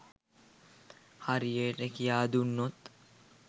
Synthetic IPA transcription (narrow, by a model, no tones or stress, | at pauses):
hɐɾijeːʈekijaːd̪unːot̪